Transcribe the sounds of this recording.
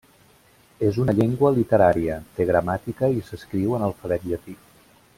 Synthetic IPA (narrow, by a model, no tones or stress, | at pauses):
ezunəʎeŋɡwəlit̪əɾaɾiət̪eɣɾəmat̪ikəisəskɾiwənəlˠfəβɛt̪ʎət̪i